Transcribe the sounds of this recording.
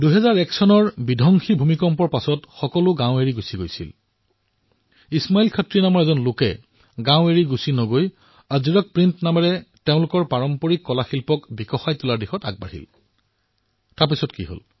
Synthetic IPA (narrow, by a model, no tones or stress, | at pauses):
duɦɛzaɹɛksɔnɔɹbidʱɔŋxibʱumikɔmpɔɹpasɔtxɔkɔlʊɡãʊ̃eɹiɡusiɡojsḭl | ismailkʰatɹinamɔɹɛzɔnlʊkɛ̰ | ɡãwʊ̃eɹiɡusinɔɡoj | aziɹɔk̚pɹintnamɛɹɛteʊ̃lʊkɔɹpaɹɔmpɔɹikːɔlaxilpɔkbikɔxajtʊlaɹdixɔta̰k̚ba̰ɹhḭl | taɹp̬isɔtkḭɦo̰l